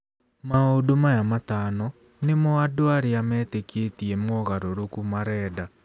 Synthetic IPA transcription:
maodomajamataːnɔ | nemɔadoaɾeamɛːteketiɛmɔɣaɾoɾokumaɾɛːda

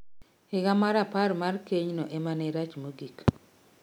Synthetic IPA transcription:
hɪɡamaɾapaɾmarkeɲnoʔemaneɾat͡ʃmoɡik

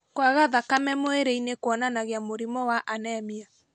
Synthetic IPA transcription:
kwaɣaðakamɛmoeɾeinekwɔnanaɣeamoɾimɔwaʔanɛmia

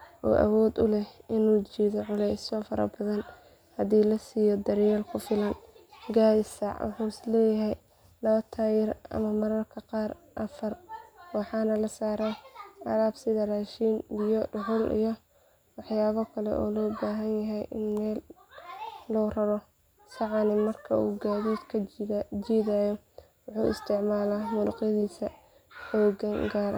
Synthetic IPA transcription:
ʔɔ̰ːʔɐ̰wɔːd̪ʊlɛhɪnuːt͡ʃiːðɔʕʊlɛsɔːfɐɾɐ̰bɐðɐn | hɐðiːlɐsiːjɔd̪ɐɾjɛːlkʰʊfɪlɐnɡaːjɪsɑʕ̰ħuːslɛːjɐɦɛj | lɐβɐt̪ʰaːjɪrɐ̰mɐmɐɾɐrkʰɐqɑːr | ʔɐfɐrwɑħɑːnɐlɐsaːɾɛʔɐɾaːbsɪðɐraːʃiːnbijɔɖʊɦʊlʔḭjɔ | wɑħjaːβɐkʰɐlɛ̰ʔɔ̰ːlɔːbaːɦɐnjɐɦɛjʔɪnmɛːlː | ɔːrɐɾɔ | sɑʕɑnɪmɐrkʰɐṵːɡaːðiːd̪kʰɐd͡ʒiːðaːjɔ | wʊħuːʔɪ̰st̪ʰɪʕmaːlaːmʊlʊ̰qjɐðiːsɐ | ħɔːɡɐŋɡaːɾʔ

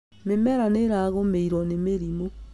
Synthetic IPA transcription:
memɛɾaneɾaɣomeiɾwɔnemeɾimo

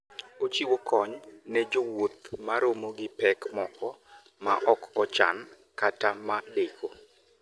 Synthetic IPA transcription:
ot͡ʃiwokʰɔɲnɛd͡ʒowot̪̚maɾomoɡɪpɛkmɔkɔ | ma̰ʔɔkɔt͡ʃa̰n | katamadeko

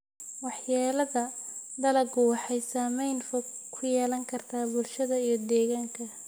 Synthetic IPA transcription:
wɑħjaːlɐðɐd̪ɐlɐɡʊwɑħɑjsaːmɛjnfɔɡkʰʊjɛːlɐŋkʰɐrt̪ʰaːbʊlʃɐðɐijɞd̪ɛːɣaːŋkʰɐ

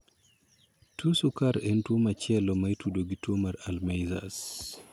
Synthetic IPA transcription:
tʰusukaɾɛntwomat͡ʃjɛlɔmaitudoɡitwomaɾalmajza̰s

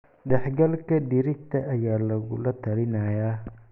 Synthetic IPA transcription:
ɖɛħɡɐlkʰɐd̪ɪɾɪk̚t̪ʰɐʔɐjaːlɐɣʊ̰lɐt̪ʰɐlɪnɐjaː

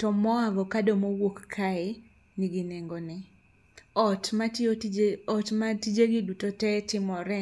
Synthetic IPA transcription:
tɔmɔaɡɔkadomowokkʰaɪ | nɪɡɪneŋɡonɪ | ɔtmatoɔtmatid͡ʒeɡɪdutotɛtɪmɔɾɛ

